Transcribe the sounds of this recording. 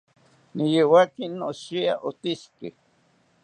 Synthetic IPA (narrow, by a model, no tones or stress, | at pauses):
nijewakinːoʃia̰ʔot̪iske